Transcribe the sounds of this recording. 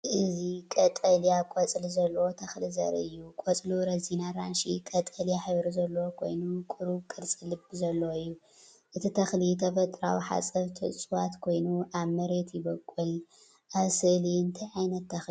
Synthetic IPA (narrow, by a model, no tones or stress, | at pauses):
ʔɨzikʼɐt̪ʼɐlijakʼot͡sʼlizɐlːɐwot̪ʰɐxlizɐ̰ɾɨ̰jːukʼot͡sʼluɾɐzinaɾanʃikʼɐt̪ʼɐlijaħɨβɾuzɐlːɐwokʰo̞̰jnukʼuɾukʼɨɾt͡sʼɨlɨbzɐlːoɨjːu | ʔɨt̪ʰit̪ʰɐxlit̪ʰɐfɐt̪ʼɾa̰wiħa̰t͡sʼɐβt̪ʰɨʔsʼɨwat̪kʰo̞jnuʔaβmɐɾe̞t̪jɪbɐkʼːul | ʔaβsɨʔliɨnt̪ʰajʕajnɐt̪ʰːɐxi